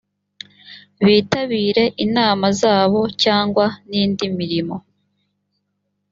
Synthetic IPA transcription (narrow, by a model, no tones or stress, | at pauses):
βiːtaβiːɾe̞ʔinaːmazaːβo̞caːŋɡwaniːndimiɾimo̞